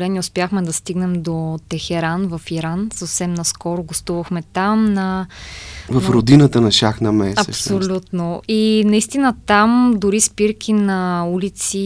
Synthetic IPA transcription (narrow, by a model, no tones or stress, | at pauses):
lɛniʊspjaxmɛd̪ɐst̪iɡnɛmd̪ot̪ɛxɛɾanvɐfiɾansəfsɛmnɐskɔɾʊɡost̪uvɐxmɛt̪amnɐ | vɐfɾod̪inət̪ənɐʃaxnɐmɛsɐɛ̰pssolʲut̪noinɐist̪inət̪amd̪ʊɾispiɾkʰʲinɐulit̪si